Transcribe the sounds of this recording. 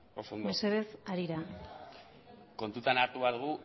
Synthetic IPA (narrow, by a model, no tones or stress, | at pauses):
osondmeseðesaɾiɾa | ko̞nt̪ut̪anaɾt̪uβaɾðuɣu